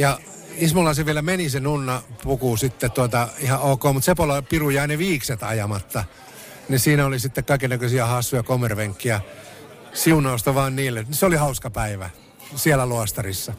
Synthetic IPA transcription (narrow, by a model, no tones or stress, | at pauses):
jɑ | ismulɑseʋʋielæmenisenunːɑpukusit̪ːett̪uɑt̪ɑihɑʔoːkoːmut̪sepolɑpirujɑineʋiːkset̪ɑ̰jɑmɑt̪ːɑ | nisiːnæolisit̪ːekkɑikenækøsiæhɑsːujɑkomerʋeŋkːiæ | siunɑust̪ɑʋɑːnniːlːenseolihɑuskɑpæiʋæ̰ | siælæluɑst̪ɑrisːɑ